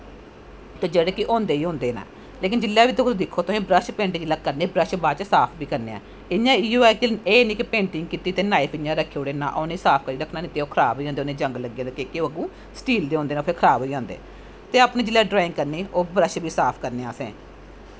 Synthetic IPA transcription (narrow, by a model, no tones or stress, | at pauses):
t̪eːd͡ʒeːɽeːkɪʔõːnd̪eːiːɦõːnd̪eːnã̰ː | leːkɪnd͡ʒɪlːaːʋiːt̪okʰːd̪ɪkʰːoːt̪oɦĩːbɾəʃpẽːɳʈɪd͡ʒɪlaːkəɾneːbɾəʃbaːt͡ʃsaːpʰbiːkəɾneːa̰ː | ɪãːiːoaːikeːnĩːkɪpẽːɳʈɪŋɡ̚kiːt̪iːt̪eːnaːipʰɪjãːɾəkʰːeoːɽeːna̰ːʔoːnẽːsaːpʰkəɾiːɾəkʰnaːnĩːt̪eːoːkʰəɾaːbɦoːiːãːnd̪ːoːnẽːd͡ʒə̃ŋɡləɡẽːd̪ekekeoːəɡũː | sʈiːld̪eːõːnd̪eːnaːpʰeɾkʰəɾaːbɦoːiːãːnd̪ḛː | t̪eːapnẽːd͡ʒɪlːɛːɖɾaːɪ̃ŋɡkəɾniːʔoːbɾəʃbiːsaːpʰkəɾneːaːsḛ̃ː